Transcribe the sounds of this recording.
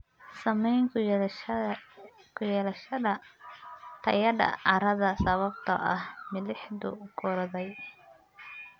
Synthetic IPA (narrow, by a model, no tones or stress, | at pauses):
sɐmɛjŋkʰ | kʰʊjɛlɐʃɐɐ | t̪ʰɐjɐdɐ̰ʔɐɾɐðɐsɐβɐb̚t̪ʰɐ̰ʔɐhmɪlɪħd̪ʊ̰kʰʊɾɐðɛj